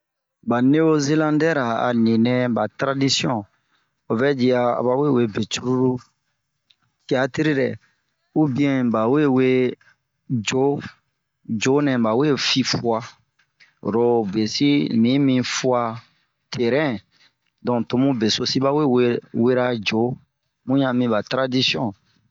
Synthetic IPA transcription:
ba˨ne˦o˦ze˦lã˦ndɛ˦ɾa˨a̰˨nĩ˨nɛ̃˦ba˨tɾa˦di˦sjɔ̃˦˨ | o˨vɛ˦d͡ʒi˦a˦a̰˨ba˨we˦˨we˦be˨t͡ʃu˦ɾu˦ɾu˦ | ti˨˦a˨ti˦ɾi˦ɾɛ˨ | u˦bĩ˦ɛ̃˨ba˨we˦we˦ | d͡ʒo˨˦ | d͡ʒo˨˦nɛ̃˨ba˨we˦˨fi˧fu˦a˧˨ | ɾo˨be˨si˦mĩ˨˦mĩ˧fu˦a˧ | tʰe˨ɾɛ̃˦ | dɔ̃˨to˨˦mũ˦be˨so˧si˦ba˦we˦wwe˦ɾa˦d͡ʒo˨˦ | mũ˦jã˨mĩ˧ba˨tɾa˦di˦sjɔ̃˦

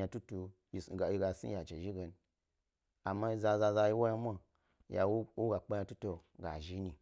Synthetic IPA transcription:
a˧tu˦tu˨˧ | ji˨sɡa˨i˧ɡa˨sḭ˦ja˨t͡ʃe˨ʒi˦ɡe˨n | a˨mːa˦i˦za˧za˧za˧ji˦wa˦ja˦mʷa˦ | ja̰˨˦u˦ɡa˨k͡pa˦ɲa˧tu˦to˨ɡa̰˨ʒi˦ni˨

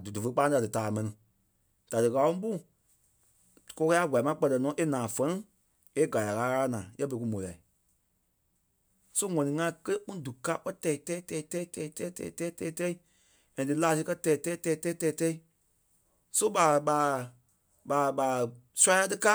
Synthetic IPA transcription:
du˨du˨fə˧˦k͡pã˧˦da˨dɨ˨taː˨mɛ̃˨nĩ˨ | d̥a˨dɨ˨ɣa˨˦ũ˦ɓu˦˨ | kɔ˧˦kɛ˧˦a˦˨ɡʷa˨mã˦k͡pɜ˧tɜ˧˨nɔ̃˨˦ʔe˦nãː˨fɛ̃˦ĩ˦ | e˦ɡa˨la˨ɣaː˨˦ɣaː˧a˦nãː˨jɛ˦bə˧i˧ku˧mõ˨la˨i˨ | so˦ŋɔ̃˨nĩ˧˨ŋã˧˦kə˦le˦kũ˦du˨kaː˦k͡pɜ˦tɛ˧˨i˨tɛ˦i˦tɛ˧i˨˦tɛ˧˦i˦tɛ˧i˦tɛ˧˦i˦tɛ˧˨i˨tɛː˧˦i˦tɛː˧˦tɛ˦i˦ | ɛ̃˨dɨ˧˨laː˨˦˧s̬i˧kɜ˦tɛː˧˨i˨tɛ˦i˦tɛː˧˨i˦tɛ˦i˦tɛː˧i˨tɛ˧˦i˦ | so˦ɓa˨ɓaː˨ | ɓa˨ɓa˨su˦a˦a˧tɨ˧ka˦

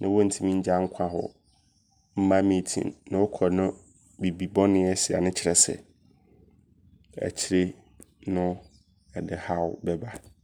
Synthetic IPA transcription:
nã˨˦wɔ˦n̩˨tʰĩ˦mĩ˦ɲ̩˦d͡ʑa˦ŋ̩˦kʷʰã˦ɦɔ̰˨ | m̩˦mã˦mĩ˨tʰḭ̃˨nːã˨wɔ˦kʰɔ˨nʊ̃˦ | bi˨bi˨bɔ̃˦nɪ̃˦ɛ˦sɪ˨a̰˨nʊ̃˦t͡ɕʰɪ˦ɾɛ˨sɛ̰˨ | ɛ̰˨t͡ɕʰɪ˦ɾe˦ | nʊ̃˦ | ɛ˨dɪ˨ha˦wʊ˨bɛ˦ba˦

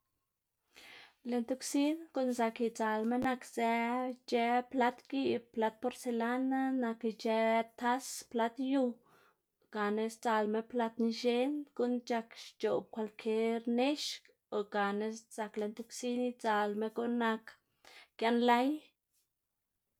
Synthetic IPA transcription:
le˧nt̪u˧ksi˦nku˦nza˧ki˧t͡sa˧lme˦na˧kze˧˦t͡ʃe˧˦pla˦t̪ɡi˦˧bpla˧˦t̪̚po˧ɾse˧la˦na˦na˧kt͡ʃe˧t̪a˦spla˦t̪ju˧ | ɡ̥a˨ne˧st͡sa˧lme˦pla˦t̪ni˧ʃe˦nɡu˦nt͡ʃa˧kʃt͡ʃo˨b̚kʷa˧lkʰe˦ɾne˦ʃk | o˨ɡa˨ne˧sza˧kle˧nt̪u˧ksi˦ni˦t͡sa˧lme˧ɡu˦na˧k | kja˧nla˦j

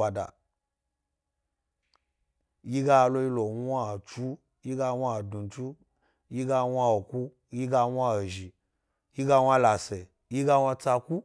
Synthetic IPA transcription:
a˨da̰˨ | ji˦ɡa˧lo˧ji˦lo˨wʷa˦˨t͡ʃu˦ | ji˦ɡa˧wa˦˨du˨t͡ʃu˦ | ji˦ɡa˧wʷa˧o˨ku˦ | ji˦ɡa˧wʷa˦o˨ʒi˨ | ji˦ɡa˧wʷa˦la˨se˨ | ji˦ɡa˧wʷa˧t͡sa˧ku˦

